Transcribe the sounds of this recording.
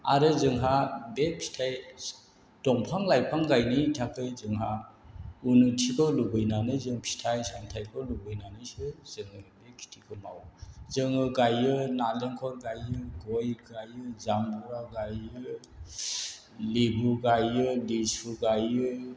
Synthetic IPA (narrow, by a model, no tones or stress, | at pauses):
a̰ɾɯzɯŋɦabepʰi̥tʰaj | d̥ɔŋpʰaŋlajpʰaŋɡajnitʰakʰɯzɯŋɦa | unutʰikʰɔwlubɯjnanɯzɯŋpʰi̥tʰajsaŋtʰajkʰɯwlubɯjnanɯsɯz̥ɯŋɯbekʰi̥tʰikʰɯma̰wzɯŋɯɡajɯnaleŋkʰɔɾɡajɯɡɔjɡajɯzambuɾaɡajɯ | libuɡajɯlisʰuɡajɯ